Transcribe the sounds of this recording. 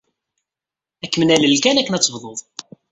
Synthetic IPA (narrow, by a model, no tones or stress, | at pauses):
ækːmənæləlkænækːənæt͡sːəvðˤoðˤ